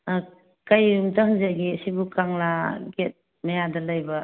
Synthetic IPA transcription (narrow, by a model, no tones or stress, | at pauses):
kajumtahŋzaɡisibukaŋlaɡet̚ | majadɐlajbɐ